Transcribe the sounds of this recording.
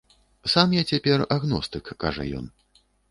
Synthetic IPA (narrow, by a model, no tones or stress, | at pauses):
samjat͡sʲapʲɛraɣnɔst̪ɨkːa̰ʐɐ̰jɔ̰n